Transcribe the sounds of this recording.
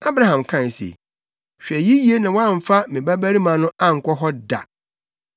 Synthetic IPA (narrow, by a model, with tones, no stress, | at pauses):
a˦bɾa˦ɦã˨mkʰã˦˨sḛ˨ | ɕᶣɛ˨ji˦ji˨˦e˦nã˨wɔ̃˦ã˦˨ɱ̩˨fa˦mɪ̃˨bæ˦bæ˦ɾi˦mã˨˦nʊ̃˦a˦ŋ̩˨kʷʰɔ˦ɦɔ˦da̰˨